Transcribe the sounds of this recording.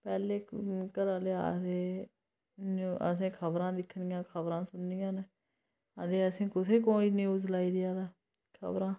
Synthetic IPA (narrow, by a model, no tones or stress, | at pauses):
pɛːleːkəɾaːlea̰seː | nə̰s̬ẽːkʰəbɾãːd̪ɪkʰːɳɪjãːkʰəbɾãːsʊnijãːn | əd̪eːəsĩːkʊt̪ʰeːkoːiːnĩːʊd͡ʒlaːiːɾɪjaːd̪aː | kʰə̰bɾãː